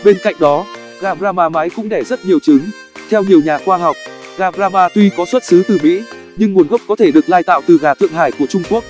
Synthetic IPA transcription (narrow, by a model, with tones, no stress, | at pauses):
ɓe˧nka̰˧˨jŋ̟̚ɗɔ˨˦ | ɣaː˨˩ɓzaː˧maː˧˩ma˨˦jkʊ̰˧˥ŋ͡mɗɛ˧˩zə˦˥t̚ɲi˨˩əwt͡ɕɨ˨˦ŋ | t̪ʰɛ˧wɲi˨˩əwɲaː˨˩xwaː˧ɦa˨˩wk͡p̚ | ɣaː˨˩ɓzaː˧maː˧t̪wi˧kɔ˨˦swə˦˥t̚sɨ˨˦t̪ɨ˨˩mḭ˧˥ | ɲɨ˧ŋmu˨˦ənɣə˦˥wk͡p̚kɔ˨˦t̪ʰe˧˩ɗɨ˨˩ək̚laː˧jt̪a̰ː˧˨wt̪ɨ˨˩ɣaː˨˩t̪ʰɨ̰˧˨əŋɦaː˧˩jku˧˩ət͡ɕʊ˧ŋ͡mku˦˥ək̚